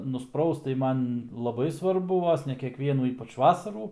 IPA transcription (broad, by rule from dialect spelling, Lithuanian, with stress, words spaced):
nʊsˈprɐʊst tɐɪ ˈmɐn lˠɐˈbɐɪ sʋɐrˈbʊ ˈʋoːs nʲɛ kʲɛkˈʋʲiɛnuː ˈiːpɐt͡ʃ ˈʋɑːsɐruː